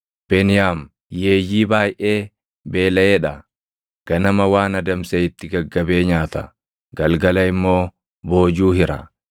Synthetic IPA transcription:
b̥ɛnɪjaːm | jeːjːiːbaːjʔe̞ː | be̞ːlɐeːᶑɐ | ɡ̥ɐnɐmɐwaːnɐd̪ɐmsɛɪt̪ːɪɡɐɡːɐbe̞ːɲaːt̪ɐ | ɡɐlɡɐlɐɪmːo̞ː | bo̞ːd͡ʒuːhɪɾɐ̰

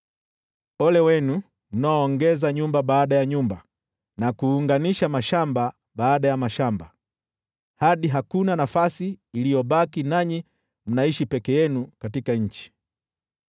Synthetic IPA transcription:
ɔlɛwɛnu | m̩naɔːŋɡɛzaɲumbaɓaːɗajaɲumba | nakuːŋɡaniʃamaʃamba | ɓaːɗajamaʃamba | haɗiɦakunanafasiːlijɔɓakinaɲi | m̩naiʃipɛkɛjɛnukatikaɲ̩t͡ʃi̥

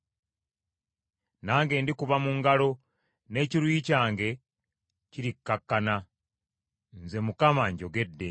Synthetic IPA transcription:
naːŋɡe̞ːndikuβamuŋɡalo̞ | ne̞ciɾwicaːŋɡe̞ | ciɾikːakːana | nze̞mukamaɲɟo̞ɡe̞dːe

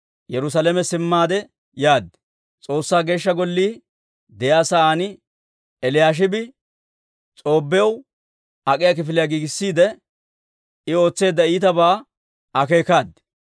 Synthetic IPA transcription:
jɛɾʊs̬alɛmɛsɪmːaːd̪ɛ | jaːd̪ː | t͡sʼo̞ːsːaːɡe̞ːʃːɐɡɔlːiː | d̪ɛjaːsaːnɪ | ɛlɪjaːʃ̬ɪbɪ | t͡sʼo̞ːbːɛjɐw | ɐkʼɪjak̬ɪfɪlɪjaɡiːɡɪsːiːd̪ɛ | ɪo̞ːt͡sːe̞ːd̪ːɐiːt̪ɐbaː | ɐke̞ːkaːd̪ɛ̥

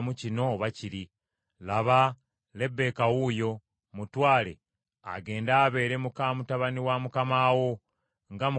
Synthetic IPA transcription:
mucino̞βaciɾi | laβa | le̞bːe̞kawujo̞ | mutwaːle̞̰ | a̰ɡe̞ːndaːβe̞ːɾemukaːmutaβaniwamukamaːwo̞ | ŋɡamu

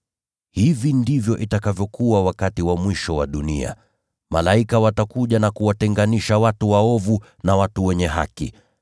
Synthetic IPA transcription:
hivindivjɔʔitakavjɔkuwawakatiwamwiʃɔwaɗunḭa̰ | malaikawatakuʄanakuwatɛŋɡaniʃawatuwaɔvu | nawatuwɛɲɛɦa̰kḭ

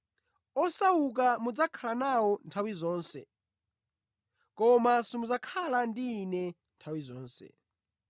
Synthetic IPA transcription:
ɔsawuk̬amud͡zakʰalanawɔntʰawizɔːnsɛ̰ | kɔmasimuzakʰalandiːnɛ | ntʰawizɔːnsɛ̰

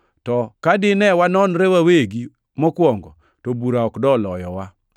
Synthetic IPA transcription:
tɔkadɪnɛwanɔnɾewaweɡi | mɔkwɔŋɡɔ | tobuɾaɔkdɔlɔjɔwa

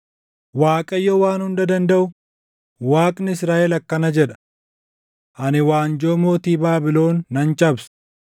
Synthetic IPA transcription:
waːkʼɐjːowaːnhʊnd̪ɐd̪ɐnd̪ɐʔʊ | waːkʼnɪɪsɾaːʔɛlɐkːɐnɐd͡ʒɛᶑɐ̥ | ʔɐnɪwaːnd͡ʒoːmo̞ːt̪iːbaːbɪlo̞ːnːɐnt͡ʃʼɐbs

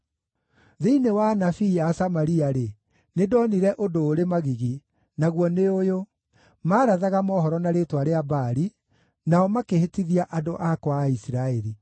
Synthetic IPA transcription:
ðeinewanafiasamaɾiaɾe | nedɔniɾɛʔodoːɾemaɣiɣi | naɣwɔneojo | maːɾaðaɣamɔhɔɾɔnaɾetwaɾeabaɾi | naɔmakehetiðiaʔadoʔakwaisiɾaɛɾi

